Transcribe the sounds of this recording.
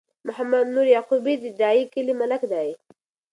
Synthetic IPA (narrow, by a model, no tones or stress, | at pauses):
mʊhamad̪nuɾjɑqubid̪əd̪ɑikəlimalakd̪ɑi